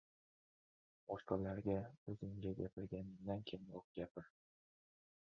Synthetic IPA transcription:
ɒʃqɑlaɾɡʲaɵzɪŋɡʲaɡʲapʰɪɾɡʲanɪd̪ankʲʰenjoq̚ɡʲapʰɪɾ

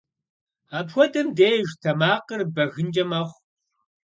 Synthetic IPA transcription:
aːpxʷɔdɐmdeːjʒtʰɐmaːqərbɐɣɨnd͡ʒʼɐmɐχʷ

